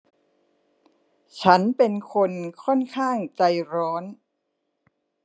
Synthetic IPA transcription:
t͡ɕʰa˦˥npe˧nkʰo˧nkʰɔ˥˩nkʰaː˥˩ŋt͡ɕa˧jɾɔː˦˥n

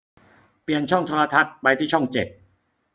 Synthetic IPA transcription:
pi˨˩ənt͡ɕʰɔ˥˩ŋt̪ʰoː˧la˧t̪ʰa˦˥t̪̚pa˧jt̪ʰiː˥˩t͡ɕʰɔ˥˩ŋt͡ɕe˨˩t̪̚

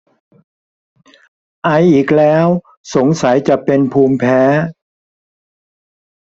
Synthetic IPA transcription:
ʔa˧jʔiː˨˩k̚lɛː˦˥w | so˨˩˦ŋsa˩˦jt͡ɕa˨˩ʔpe˧npʰuː˧mpʰɛː˦˥

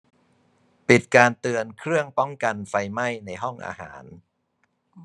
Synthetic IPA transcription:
pi˨˩t̪̚kaː˧nt̪ɯ˧ənkʰɾɯ˥˩əŋpɔ˦˥˩ŋka˧nfa˧jma˥˩jna˧jɦɔ˥˩ŋʔa̰ː˧ɦa̰ː˩˦n

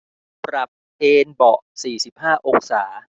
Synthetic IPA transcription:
pɾa˨˩p̚ʔeː˧nbɔ˨˩ʔsiː˨˩si˨˩p̚haː˥˩ʔoː˧ŋsaː˩˦

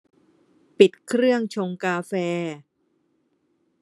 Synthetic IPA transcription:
pi˨˩t̪̚kʰɾɯ˥˩əŋt͡ɕʰo˧ŋkaː˧fɛː˧

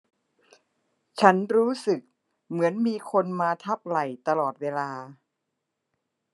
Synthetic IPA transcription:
t͡ɕʰa˦˥nɾuː˦˥sɯ˨˩k̚ | mɯ˩˦ənmiː˧kʰo˧nmaː˧t̪ʰa˦˥˩p̚la˨˩jt̪a˧lɔː˨˩t̪̚weː˧laː˧

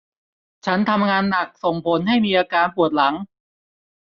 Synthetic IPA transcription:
t͡ɕʰa˦˥nt̪ʰa˧mŋaː˧nːa˨˩k̚so˨˩ŋpʰo˩˦nɦa˥˩jmiː˧ʔaː˧kaː˧npʰu˨˩ət̪̚la˩˦ŋ

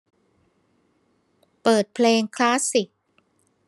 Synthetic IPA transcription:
pɤː˨˩t̪̚pʰleː˧ŋkʰlaː˦˥si˨˩k̚

